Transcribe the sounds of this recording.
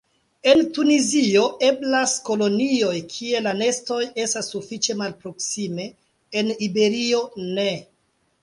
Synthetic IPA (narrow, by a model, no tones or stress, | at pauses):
e̞ntunizio̞ʔe̞blasko̞lo̞nio̞jkʰie̞lane̞sto̞je̞stasːufit͡ʃe̞malpɾo̞ksime̞ː | nibe̞ɾio̞ne̞